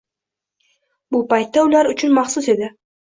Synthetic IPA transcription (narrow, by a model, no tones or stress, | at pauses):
bʊpajt̪ːaʊlaɾʊt͡ʃʰʊnmɑχsʊse̞d̪ɪ